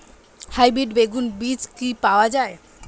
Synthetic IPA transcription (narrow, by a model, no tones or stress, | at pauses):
hajbiɖbeɡunbit͡ɕkipaoad͡ʑae